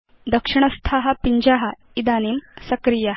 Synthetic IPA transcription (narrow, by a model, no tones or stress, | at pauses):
d̪ɐkʂiɳ̃əst̪ʰaɦɐpiɲd͡ʑaɦa | id̪aniːmsɐkɾija